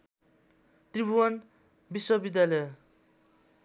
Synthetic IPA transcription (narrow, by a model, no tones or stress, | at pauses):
t̪ribuʌn | biswʌbid̪jalʌj